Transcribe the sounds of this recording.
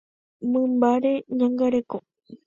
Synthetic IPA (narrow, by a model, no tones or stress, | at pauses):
mɨ̃mbaɾeɲãŋɡaɾe̞ko